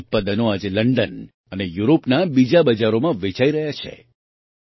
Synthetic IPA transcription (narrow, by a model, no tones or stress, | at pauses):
t̪̚pad̪ənoad͡ʒeləɳɖən | ənejuɾopnabid͡ʒabəd͡ʒaɾomãʋet͡ʃaiɾəɦjat͡ʃʰḛ